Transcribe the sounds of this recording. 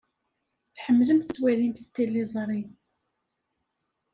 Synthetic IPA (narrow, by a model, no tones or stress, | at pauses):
θħəmːləmθət̪ːwælimt̪θət̪ːilːizˤɾˤi